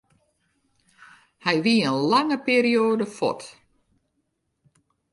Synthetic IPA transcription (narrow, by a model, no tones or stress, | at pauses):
hɛjʋiənlaŋəpiːɾioːdəfɔ̰t